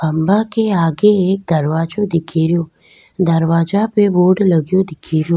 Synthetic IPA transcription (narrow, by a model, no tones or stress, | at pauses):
bəmbakeaɡeːk̚d̪əɾʋad͡ʒod̪ɪkʰiɾjoː | d̪əɾʋad͡ʒapeʋoɖləɡjod̪ɪkʰiɾjo